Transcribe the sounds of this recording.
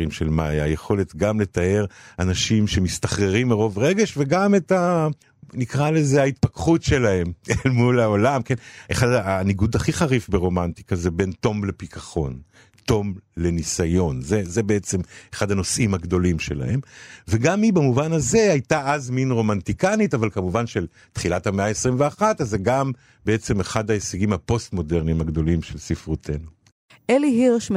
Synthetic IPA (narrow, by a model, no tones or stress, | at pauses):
imʃelmajaːjeχo̞letɡamle̞tae̞ʁanaʃimʃe̞mist̪aχʁeʁimːeʁo̞vʁe̞ɡeʃveɡameta | nikʁalezeait̚pakχutʃe̞lahe̞mmulao̞lamkenʔeχadaniɡudaχiχaʁifbeʁo̞manti̥kazebe̞nto̞mle̞pikaχo̞̰n | to̞mle̞nisajo̞nzeze̞be̞et͡se̞meχad̪hano̞sʔimaɡdo̞limʃe̞la̰he̞mveɡamibamuvanaze̞ajtaʔazminʁo̞mantikanitavalkamuvanʃe̞l | tχilathameaesʁimveaχatazeɡam | be̞et͡se̞meχadaeseɡimhapo̞stmo̞de̞ʁnimaɡd̪o̞limʃelsifʁutʰe̞nu | ʔeliɦiʁʃm